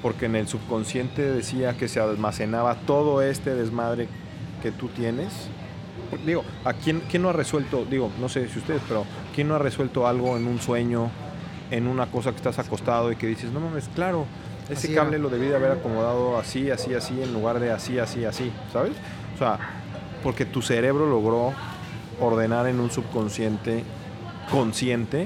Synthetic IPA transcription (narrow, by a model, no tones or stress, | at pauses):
po̞ɾke̞ne̞lsuβko̞nsje̞nt̪e̞ðe̞siake̞sealmase̞naβat̪o̞ð̞oe̞st̪e̞ðe̞zmaðɾe̞ | ke̞t̪ut̪je̞ne̞s | pod̪iɣo̞ | akjenkjenːoare̞swe̞lt̪o̞d̪iɣo̞no̞se̞siust̪e̞ðespe̞ɾo | kjenːoare̞swe̞lt̪o̞alɣo̞enũnswe̞ɲo̞ | e̞nũnako̞s̬ake̥st̪asako̞st̪að̞o̞ike̞ðiseznomãmesklaɾo̞ | esekaβle̞lo̞ðe̞β̞iðeaβe̞ɾakomo̞ðað̞oasiasiasie̞nluɣaɾðe̞asiasiasi | saβe̞s | ose̞a | po̞ɾke̞t̪use̞ɾe̞βɾo̞lo̞ɣɾo̞ | oɾðe̞naɾenũnsuβko̞nsje̞nt̪e̞ | ko̞nsje̞nt̪e̞